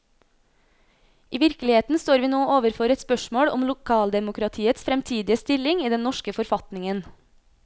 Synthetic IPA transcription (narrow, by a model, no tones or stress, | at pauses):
iːʋɪɾkəlɪheːt̪n̩st̪oːɾʋiːnoːʔoːʋəɾfɔɾɛt̪spœʃmoːɽɔ̰mlʊkʰɑːld̪ɛmʊkɾɑt̪ʰiːət̪sfɾɛmt̪ʰiːd̪ɪəst̪ɪlɪŋiːd̪ɛnnɔʃkəfɔɾfɑt̪nɪŋən